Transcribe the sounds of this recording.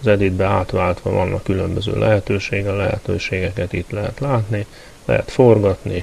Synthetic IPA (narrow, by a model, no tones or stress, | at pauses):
zɛd̪id̪bɛaːt̪ʋaːlt̪ʋɒvɒnːɒkːylømbøzø̰ːlʔɛ̰ɦɛt̪øːʃeːɡɛlːɛɦɛ̰t̪øːʃeːɡɛkɛt̪it̪lɛɦɛt̪laːt̪ni | lɛ̰ɦɛ̰t̪fo̞rɡɒt̪ni